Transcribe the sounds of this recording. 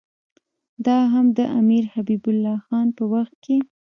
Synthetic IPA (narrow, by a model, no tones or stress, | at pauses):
d̪ɑɦamd̪əʔamiɾhabibʊlːɑxɑnpəwaxt̪̚kʰe